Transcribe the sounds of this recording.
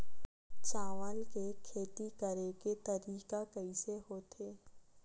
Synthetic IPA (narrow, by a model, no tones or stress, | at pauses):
t͡ʃaːʋaːnkekʰeːt̪ikəɾeɡet̪ɐɾiːkakəiseɦoːt̪ʰeː